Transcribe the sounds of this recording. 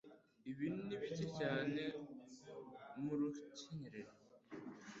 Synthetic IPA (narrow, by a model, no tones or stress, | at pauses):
iβiniβicecaːne | muɾucinɾeɾ